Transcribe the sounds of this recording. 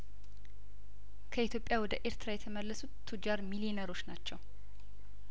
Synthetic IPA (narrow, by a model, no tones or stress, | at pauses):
kʰəit̪jo̞pʼjawɔd̪əʔe̞ɾt̪ʰɨɾajɛt̪ʰəməlːəsut̪t̪ʰːud͡ʒaɾmilinəɾo̞t͡ʃːnat͡ʃːɛw